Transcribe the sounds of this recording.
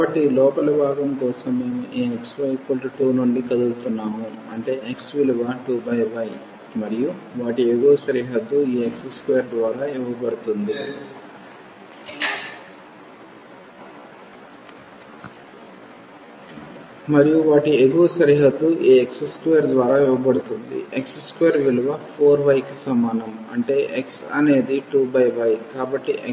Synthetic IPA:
kaɐʈːilɔːpɐlɐbʱaːɡɐmkɔːsɐmːe̞ːmuʔeːeksʋɐjkolʈuʈuːnuɳɖikɐd̪ult̪unːaːmuɐ̰ɳʈe̞ːeksʋiluʋɐʈubʱɐjʋɐj | mɐɾijuʋaːʈieɡoːsɐɾiːɦɐt̪ːuiːekseskejɐɾd̪ʋaːɾaːiʋɐpɐɽut̪und̪i | mɐɾijuʋaːʈieɡoːsɐɾiːɦɐt̪ːuʔiːeksskʋejːɐɾd̪ʋaːɾaːiʋɐbɐɽut̪und̪ḭʔeksskeːɐɾʋiluʋɐpʰoːɾbɐjkisɐmaːnɐmɐ̰ɳʈe̞ːʔeksɐ̰ne̞ːd̪iʈuːbɐjbɐjkaːbɐʈːiʔe

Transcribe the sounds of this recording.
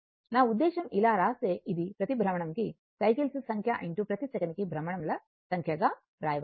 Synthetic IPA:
naːud̪ːɛːʃɐmilaːɾaːseːʔid̪ipɾɐt̪ibʱɾɐmɐɳɐmki | sɐjkilsusɐŋkʰjaʔiɳʈupɾɐt̪isɐkɐnikibʱɾɐmɐɳɐmlɐ | sɐŋkʰjɐɡaː | ɾaːjɐʋ

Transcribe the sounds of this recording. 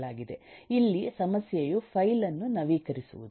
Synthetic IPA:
ɭaːɡid̪e̞ilːisɐmɐsjɐjupʰɐjlɐnːunɐʋiːkɐɾisṵʋud̪

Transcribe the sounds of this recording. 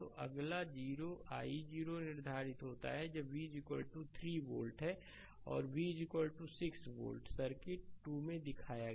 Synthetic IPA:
t̪oʔɐɡlad͡ʒiːɾoʔa̰ːid͡ʒiːɾonɪɾd̪ʱaːɾɪt̪ɦoːt̪a̰ɦɛd͡ʒɐbʋiːd͡ʒɪkʋəlʈut̪ʰɾibo̰ːlʈɦɛ | ɔ̰ːɾʋiːd͡ʒɪkwəlʈusɪksbo̰ːlʈsɐɾkɪʈːumẽd̪ɪkʰaːjaɡ

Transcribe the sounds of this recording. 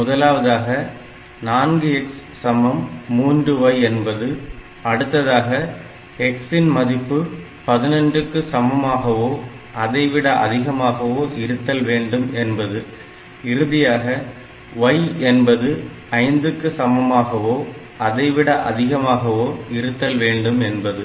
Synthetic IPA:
mʊðɐlaːʋɐðaːɣɐ | naːnɡɯɛkssɐmɐmːuːndrɯʋɐɪɛnbɐðɯ | ɐɽɯt̪ːɐðaːɣɐ | ɛksɪnmɐðɪpːɯ | pɐðɪnɐnɖɯkːɯsɐmɐmaːɣɐʋoː | ʔɐðɐɪʋɪɽɐʔɐ̰ðɪɣɐmaːɣɐʋoːʔɪɾɯt̪ːɐlʋeːɳɖɯmɛnbɐðɯ | ɪɾɯðɪjaːɣɐ | ʋɐjɛnbɐðɯ | ɐɪnd̪ɯkːɯsɐmɐmaːɣɐʋoː | ɐðɐɪʋɪɽɐʔɐ̰ðɪɣɐmaːɣɐʋoːɪɾɯt̪ːɐlʋeːɳɖɯmɛnbɐðɯ

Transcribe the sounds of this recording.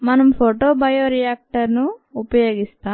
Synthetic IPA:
mɐnɐmpʰoːʈoːbɐjoːɾijaːk̚ʈɐɾnuːpɐjoːɡist̪aː

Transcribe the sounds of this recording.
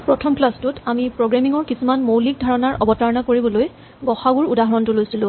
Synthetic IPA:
pɹɔtʰɔmplastutamipɹoɡɹamiŋɔɹkisumanmowlik̚dʱaɹɔnaɹʔɔbɔtaɹɔnakoɹibɔloj | ɡɔxaɡuɹudaɦɔɹɔntulojsilʊ̃

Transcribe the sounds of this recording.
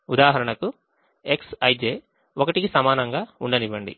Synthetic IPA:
ud̪aːɦɐɾɐɳɐku | eksɐjd͡ʒeː | okɐʈikisɐmaːnɐŋɡaːuɳɖɐniʋɐɳɖḭ

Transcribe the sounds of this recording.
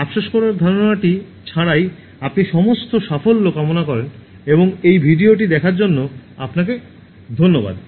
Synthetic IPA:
apʃaʃkɔɾaɾd̪ʱaɾonaʈi | t͡ɕʰaɽaj | apniʃɔmost̪oʃafolːokamonakɔɾen | eboŋejbʱiɖioʈid̪ɛkʰaɾd͡ʑonːoapnake | d̪ʱonːoba̰d̪

